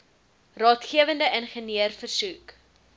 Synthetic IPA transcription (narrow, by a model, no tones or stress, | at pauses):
rɑːtχiəvəndəʔənχəniərfərsuk